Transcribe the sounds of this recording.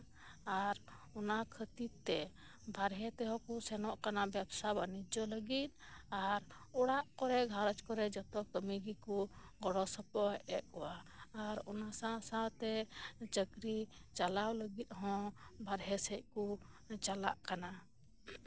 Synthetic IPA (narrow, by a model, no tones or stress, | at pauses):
aɾ | ɔnakʰət̪it̪ːɛ | bʱaɾɦɛt̪ɛɦɔ̃kusɛnɔʔkanabɛbsabanid͡ʒɔləɡit̪̚aɾɔɽaʔkɔɾɛɡʱaɾɔt͡ʃkɔɾɛd͡ʒɔt̪ɔkəmiɡikuɡɔɽɔsəpɔɛʔ̚kɔwaːɾɔ̰nasãsãt̪ɛt͡ʃəɡɾit͡ʃalawləɡit̪̚ˀɦɔ̃bʱaɾɦɛsɛc̚ku | t͡ʃala̰ʔkana